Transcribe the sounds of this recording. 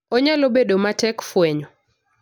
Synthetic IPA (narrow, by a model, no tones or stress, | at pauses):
ɔɲalobeɗomatɛkfwɛɲɔ